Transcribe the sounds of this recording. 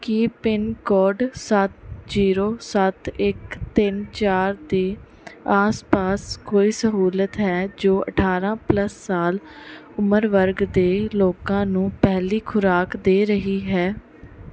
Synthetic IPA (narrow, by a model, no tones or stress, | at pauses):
kipɪnkɔːɖsət̪ziːɾoːsət̪ɪkt̪ɪnt͡ʃaːɾd̪eː | aːspaːskoːiːsəɦuːlət̪ɦɛːd͡ʒoːʔə̰ʈʰaːɾãːpləsːaːl | ʊməɾʋəɾɡd̪eːloːkãːnũːpɛɦliːkʰʊɾaːkd̪eːɾəɦiːɦɛː